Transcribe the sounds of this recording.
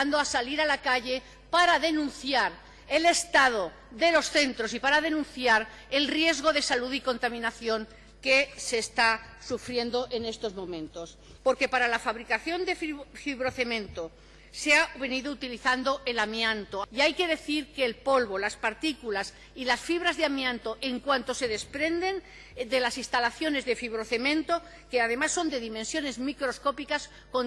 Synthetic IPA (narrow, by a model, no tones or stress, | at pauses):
nd̪oasaliɾalakaʎe̞ | paɾaðe̞nũnθjaɾ | e̞le̞st̪að̞o̞ | ðe̞lo̞sθe̞nt̪ɾo̞sipaɾaðe̞nũn̟θjaɾ | e̞lrje̞zɣo̞ðe̞saluðiko̞nt̪amĩnaθjo̞ŋ | ke̞se̞ːst̪asufɾje̞nd̪o̞ʔe̞ne̞st̪o̞zmõ̞mẽ̞nt̪o̞spo̞ɾke̞paɾalafaβɾikaθjo̞nd̪effiβɾoθe̞mẽ̞nt̪o | seaβe̞niðout̪iliθand̪o̞ʔe̞lamjãnt̪oajke̞ðe̞θiɾke̞ːlpo̞lβo̞laspaɾt̪ikulas | ilasfiβ̞ɾazðeamjãnt̪o̞ʔe̞ŋkwant̪ose̞ð̞e̞spɾe̞nd̪e̞n | d̪e̞lasist̪alaθjo̞ne̞zðe̞fiβ̞ɾo̞θe̞mẽnt̪o̞ | keaðe̞masːo̞nd̪e̞ðimẽnsjo̞ne̞zmikɾo̞sko̞pikas | ko̞n